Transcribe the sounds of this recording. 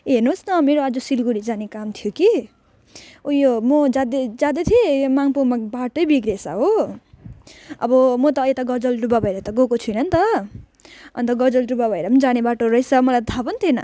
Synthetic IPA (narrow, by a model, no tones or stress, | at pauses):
ɦernosnʌmeɾoad͡zʌsilɡuɾid͡zanekamt̪ʰjoki | ujomʌd͡zad̪ed͡zad̪̬ʌt̪ʰiemaŋpumabaʈojbiɡɾesʌ̰ɦo | ʌ̰bʌmʌt̪ʌjet̪aɡʌd͡zʌlɖubabʱʌeɾʌt̪ʌɡokot͡sʰujnʌnt̪ʌ | ʌ̰nt̪ʌɡʌd͡zʌlɖubabʱʌeɾʌmnd͡zanebaʈoɾʌjsʰʌmʌlat̪ʰabʌnt̪ʰienʌ̰